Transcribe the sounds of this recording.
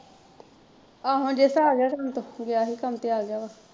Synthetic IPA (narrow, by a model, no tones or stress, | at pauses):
aːɦõːd͡ʒeːsaaːɡɪjaːkəmt̪õːɡɪjaːɦiːkəmt̪eaːɡɪaːbaː